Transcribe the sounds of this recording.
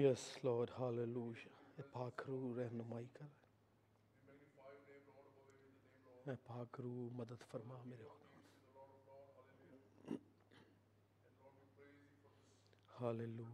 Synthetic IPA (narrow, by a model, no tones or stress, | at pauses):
jɛslɔːɖhaːleluːjepaːkɾuːɾɛɦnʊmaːikəɾa | mɛ̃ːpaːkɾuːməd̪əd̪fəɾmaːmeːɾeod̪oːn | haːleːluː